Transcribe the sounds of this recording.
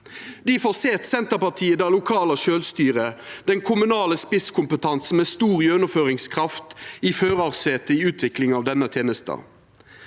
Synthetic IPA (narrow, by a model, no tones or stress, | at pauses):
d̪iːfoːʁseːt̪sɛnt̪əʁpɑʁt̪ʰiːəd̪æːʁlʊkʰɑːləʃøːlst̪yːʁəd̪̥ɛŋkʰʊmʉnɑːləspɪskʰʊmpət̪ʰɑns̩meːst̪uːʁjønəføːʁɪŋskʰʁɑft̪iføːʁɑʁseːt̪əiʉːt̪ʰʋɪklɪŋɑːʋd̪ɛnət̪ʰjeːnəst̪ə̰